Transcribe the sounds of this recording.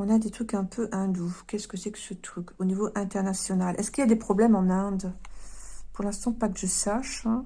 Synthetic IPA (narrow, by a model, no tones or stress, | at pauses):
ɔ̃nad̪et̪χykɛ̃pʰøʔɛ̃d̪ukʲɛskəsɛkə̥sət̪χykonivoʔɛ̃t̪ɛʁnasjɔnalʔɛskiljad̪epχɔblɛmɑ̃nɛ̃d̪ | puʁlɛ̃st̪ɑ̃pakəʒəsaʃɛ̃